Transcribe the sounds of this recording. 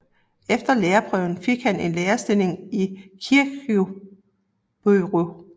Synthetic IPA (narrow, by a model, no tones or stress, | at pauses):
efd̥ɐleːɐpʰʁœʊ̰n̩fe̝ɡ̥hæne̝nleːɐsd̥e̝le̝ŋikʰiɐɡ̥o | b̥oːʁo